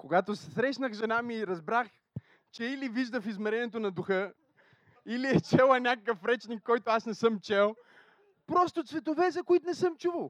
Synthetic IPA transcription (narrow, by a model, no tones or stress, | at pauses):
koɡat̪osɛsɾɛʃnəxʒɛnamiːɾɐzbɾax | t͡ʃɛiliviʒd̪əfizmɛɾɛniɛt̪onɐd̪uxɤ | iliɛt͡ʃɛlˠɐnʲakəkəfɾɛt͡ʃnikːɔjt̪oasnɛsɤmt͡ʃɛlˠ | pɾɔst̪ot̪svɛt̪ovɛzɐkoit̪nɛsɤmt͡ʃuvəlˠ